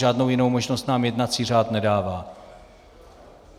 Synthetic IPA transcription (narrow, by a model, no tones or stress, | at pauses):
aːdnowjɪno̞wmoʒnost̪naːmjɛdnat͡siːr̝aːt̪nɛdaːvaː